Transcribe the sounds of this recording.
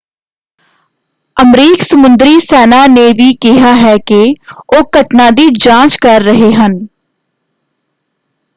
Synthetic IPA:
əmɾiːksəmʊnd̪ɾiːsɛːnaːneːʋiːkɪɦaːɦɛːkeoːkəʈnãːd̪iːd͡ʒãːt͡ʃkəɾːəɦeːɦən

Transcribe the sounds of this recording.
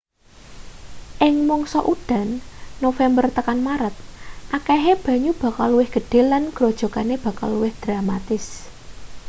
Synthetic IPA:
ʔɪŋmɔŋsɔʔuɖ̥a̤nːofɛmbərt̪əkanmaɾət̪̚ʔakɛɦeb̥ä̤ɲub̥a̤kalːuwɪhɡ̥ə̤ɖ̥e̤lənɡ̥ɾod̥ʒ̥o̤ɡaneb̥ä̤ka̰lːuwɪhd̪̥ɾamat̪ɪs

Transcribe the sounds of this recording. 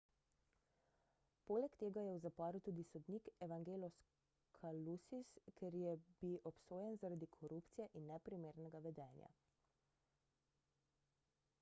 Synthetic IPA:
poːlɛkt̪eːɡajɛwzapɔːɾut̪uːd̪isɔd̪niːkɛʋaŋɡeːlɔs | kʰalusiskeɾjɛbiwʔɔpsoːjɛnzaɾad̪ikʰɔɾupt̪sijɛʔinːɛpɾimeːɾnɛɡaʋɛd̪ɛːnja̰

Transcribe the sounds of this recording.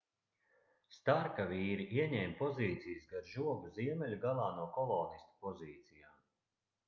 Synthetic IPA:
st̪aɾkavʲiːɾiʔiɛɲɛːmʲpɔziːt̪sijəsɡaɾʒuɔɡuziɛmʲɛlʲuɡalˠaːnuɔkɔlˠɔːnist̪ḁpɔziːt̪sijaːm

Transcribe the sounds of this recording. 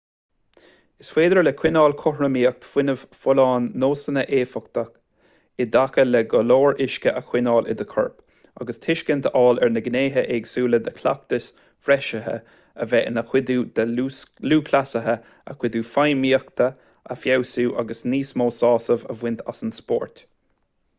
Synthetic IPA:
ɪsfweːd̪əɹlɛkʰw̥ɪnɑːlkʰʊhɹəmiːək̚t̪fwɪnəv̥fʊlɑːnːoːsənəʔeːfɔk̚t̪ək | ɪd̪akəlɛɡɔloːɹɪʃkəʔəkʰwɪnɑːlʔɪ̰d̪əkʰɔɹp | a̰ɡəst̪ʰɪʃkənt̪ʰəɑːlɛɹnəɡneːɦəʔɛɡsuːləd̪əkʰla̰k̚t̪əs | fɾɛʃəɦə̰ | əvɛənəxwɪd̪uːd̪əuːluːkʰlasəɦə | ə̰kʰwɪd̪uːfajmiːəkt̪ə | a̰fjawsuːʔa̰ɡəsniːsmoːsɑːsəvə̰vwɪnt̪ʰasənspɔ̰ːɹt̪

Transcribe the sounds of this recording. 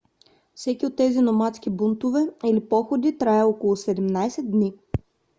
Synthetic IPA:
fsɛkʲiot̪ːɛzinomat̪sk̟ʲibunt̪ʊvɛilipɔxod̪it̪ɾaɛɔkolˠʊsɛd̪ɛmnajsɛt̪̚d̪nʲi

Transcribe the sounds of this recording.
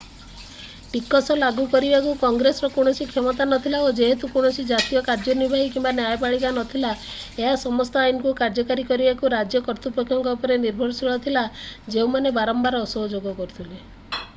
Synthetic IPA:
ʈikɔsɔlaɡukɔɾibakukɔŋɡɾesɔɾɔkuɽ̃ɔsikʰemɔt̪anɔt̪ʰilaod͡ʒeɦet̪ukuɽ̃ɔsʰid͡ʒat̪ijɔkaɾd͡ʒɔnibʱaɦikimbanjajpaɭibanɔt̪ʰilaeɦasɔmɔst̪ɔajnɔkukaɾd͡ʒɔkaɾikɔɾibakuɾad͡ʒjɔkɔɾt̪upɔkʰːjɔŋkɔpɔɾeniɾbʱɔɾsiɭɔt̪ʰilad͡ʒeumanebaɾɔmbaɾɔːsɔɦɔd͡ʒoɡɔkɔɾut̪ʰile

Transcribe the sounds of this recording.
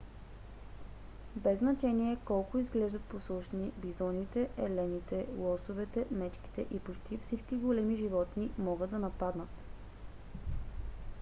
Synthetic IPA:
bɛznɐt͡ʃɛniɛkɔlˠkʊizɡlɛʒd̪ət̪̚posˠuʃnibizɔnit̪ɛɛlɛnit̪ɛlˠɔsovɛt̪ɛmɛt͡ʃki̥t̪ɛʔipot͡ʃt̪ifsit͡ʃkiɡolɛmiʒivɔt̪nimɔɡɤd̪ɐnɐpad̪nət̪

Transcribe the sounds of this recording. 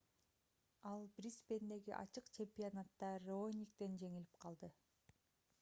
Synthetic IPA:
ɑlˠbrʲispe̞nd̪e̞ɡiʔɑ̰t͡ʃɯqt͡ʃʰe̞mpʲionat̪ːɑɾonʲik̚t̪e̞nd͡ʒe̞ŋili̥p̚qʰɑlˠd̪ɯ

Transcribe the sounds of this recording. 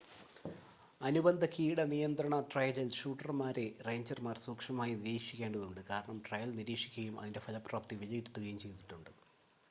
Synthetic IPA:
ɐnubɐnd̪ʱɐkiːɽɐnijɐnd̪ɾɐɳɐt̪rɐjɐlilʂuːʈːɐrmaːɾereːɲd͡ʑɐrmaːrsuːkʂɐmaːjiniɾiːkʂikʲːe̞ːɳɖɐðuɳɖɨkaːɾɐɳɐmʈrɐjɐlniɾiːkʂikʲːuɣɐjumʔɐ̰ðinde̞fʰɐlɐpraːp̚t̪ːiʋilɐjiɾut̪ːuɣɐjumt͡ɕe̞jt̪iʈːuɳɖɨ

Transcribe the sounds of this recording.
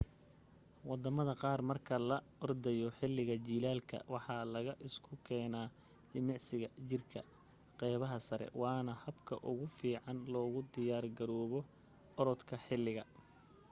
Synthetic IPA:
wɑd̪ɐmɐðɐqɑːrmɐrkʰɐlɐ | ɔrd̪ɛjɔħɪlːɪɣɐt͡ʃiːlaːlkʰɐ̰wɑħɑlɐɣɐʔɪskʰʊkʰɛːnaː | d̪ɪmɑʕsɪɣɐt͡ʃɪrkʰɐ̰ | qɛjβɐɦɐsɐɾɛ̰wɑːnɐhɐbkʰɐ̰ʔʊɣʊfiːʕɑnlɔːɣʊd̪ɪjaːrɡɐɾɔːβɔ | ɔɾɔt̪kʰɐħɪlːɪɣɐ

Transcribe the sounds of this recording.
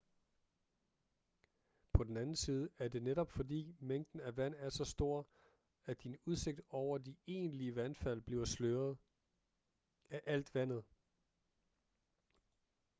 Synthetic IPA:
pʰɒ̽d̥en̩ænn̩siːð̞ˠəæɐde̝neɾɒ̽b̥fɒ̽dḭːmeŋ̰d̥n̩æʋæn̰æɐsɒ̽sd̥o̝ɐ̰ | æd̥inuð̞ˠse̝ɡ̥̚d̥ɒʊ̰ɐd̥ie̝̰ːnliəʋænfæl̰b̥liʊsløːɐð̩ˠ | æʔæl̰d̥ʋæn̰ð̞̩ˠ

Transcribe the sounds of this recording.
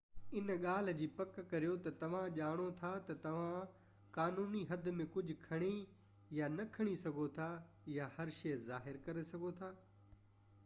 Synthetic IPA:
ɪnɠaːl̤d͡ʑiːpɐkːɐɾijot̪ɐt̪ɐʋ̤ãʄaːɽ̃ot̪ʰat̪ɐt̪ɐʋ̤ã | kaːnuːniɦɐd̪ʱmẽkʊd͡ʑʱʊkʰɐɽ̃i | janɐkʰɐɽ̃isɐɡʱot̪ʰa | jahɐɾʃeːzaːɦɪɾkɐɾesɐɡʱot̪ʰaː

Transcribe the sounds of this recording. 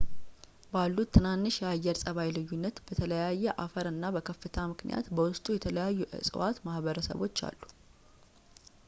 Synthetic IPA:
balːut̪ʰːɨnanːɨʃjajːɛɾsʼəβajlɨjːunːət̪b̥ət̪ʰələjajːɛʔafəɾɨnːabəkʰəfːɨt̪ʰamɨknḭja̰t̪bəwʊst̪ʼujɛt̪ʰələjajːuʔɨ̰sʼɨ̰wat̪mahβəɾəsə̰βo̞̰t͡ʃːa̰lːu

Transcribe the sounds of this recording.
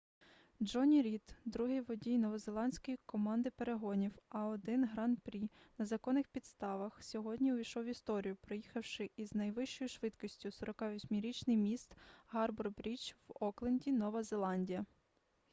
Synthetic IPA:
d͡ʒɔnʲiɾʲit̪d̪ɾuɦɪʋɔdʲijnɔʋɔzelˠɑnʲsʲkɔjikɔmɑnd̪ɪpeɾeɦɔnʲiwɐɔd̪ɪnɦɾɑnpɾʲi | nɐzɐkɔnːɪxpʲid̪st̪ɑʋɐxsʲɔɦɔdʲnʲiijʃɔwʋʲist̪ɔɾʲijʊpɾɪjixɐwʃɪiznɐjʋɪʃt͡ʃɔjʊʃʋɪd̪kɔsʲtʲʊsɔɾɔkɑʋʲɔsʲmʲiɾʲit͡ʃnɪjmʲist̪ɦɑrbɔrbɾʲit͡ʃwɔklˠenʲdʲinɔʋɐzelˠɑnʲdʲijɐ

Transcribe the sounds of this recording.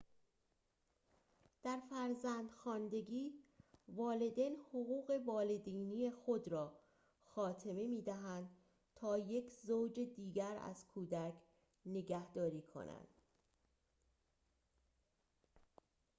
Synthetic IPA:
d̪̥æɾfæɾzænd̪xɒːnd̪e̞ɡiːvɒːle̞d̪enhoɣuːɣe̞vɒːle̞d̪iːniːjexo̞d̪ɾɒː | xɒːt̪ʰe̞me̞miːd̪æɦænd̪̥ | t̪ʰɒːje̞cʰzowd͡ʒed̪iːɡæɾæ̰z̥kʰuːd̪ækʰ | ne̞ɡæhd̪ɒːɾiːkʰo̞̰næ̰nd̪̥

